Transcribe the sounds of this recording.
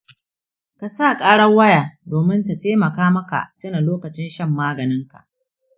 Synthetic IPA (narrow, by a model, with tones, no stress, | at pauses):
ka˨sa˦˨kʼaː˦ɽɐ˦wɐ˦jaː˨doː˨mɪ˦nta˨teː˦mɐ˨kaː˦mɐ˦ka̰˨sɐ˦na˨loː˦kɐ˨t͡ʃɪ˦nʃɐ˦˨mːaː˦ɡɐ˨nɪ˦ŋka̰˨ʔ